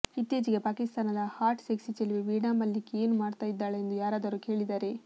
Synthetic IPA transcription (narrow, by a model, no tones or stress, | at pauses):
it̪ːjeːd͡ʒiɡe̞paːkist̪aːnɐd̪ɐhaːʈseksit͡ʃeliʋeʋiːɽaːmɐlːikːeeːnumaːɽt̪aːjid̪ːaːɭeːnd̪ujaːɾaːd̪ɐɾuːke̞ːɭid̪aːɾe̞